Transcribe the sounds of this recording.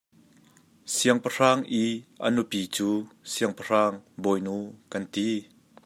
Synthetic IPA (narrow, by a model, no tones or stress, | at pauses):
siəŋpɐr̥aːŋʔiʔɐ̰nupit͡suːsiəŋpɐr̥aːŋbɔjnuːkɐnt̪i